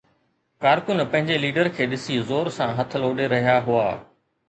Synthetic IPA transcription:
kaːɾkʊnpɐ̃ɦɪ̃ɲd͡ʑeliːɖəɾkʰeːɗɪsizoːɾsãɦɐt̪ʰloːɗeɾɐɦijaɦʊaː

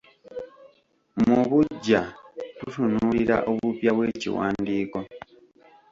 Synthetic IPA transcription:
muβuɟːatusunuliɾa̰ʔoβupjaβwe̞ːcḭwa̰ːndiːko̞

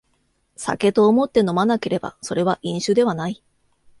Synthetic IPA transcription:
sa̰ke̞t̪o̞ːmo̞t̪ːe̞no̞manake̞ɾe̞ba̰so̞ɾe̞β̞aʔĩɰ̃ɕɨːd̪e̞βanai

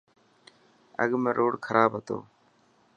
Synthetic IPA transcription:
ə̰ɠmeːɾʔoːɽkʰəɾʔaːbɦət̪o̰ː

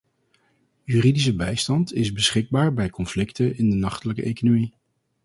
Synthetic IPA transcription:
jyridis̬əbɛjstɑntɪzbəsχɪɡ̚baːɹbɛjkɔnflɪktəɪndənɑχtələkəʔejkonomi

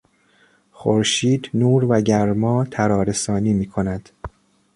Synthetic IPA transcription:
xoɾʃiːd̪nuːɾvæɟæɾmɒːt̪ʰæɾɒːɾe̞sɒːniːmiːkʰonæd̪̥

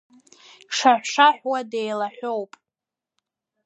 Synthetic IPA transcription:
ʂaħʷʂaħʷwadejlaħʷᶣowpʼ

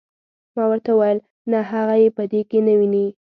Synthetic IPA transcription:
mɑwəɾt̪awajəl | naɦaɣajepəd̪ekenawini

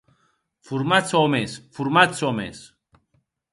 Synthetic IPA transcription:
fuɾmat̪t͡sɔmesfuɾmatsɔmḛs

